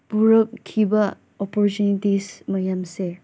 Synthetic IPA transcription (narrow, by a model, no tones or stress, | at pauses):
buɾɐkkʰːibɐ | ɔpɔɾtunitismɐjamse